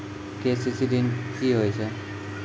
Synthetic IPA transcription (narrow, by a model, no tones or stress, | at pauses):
kesisid̪inkiɦojt͡sʰe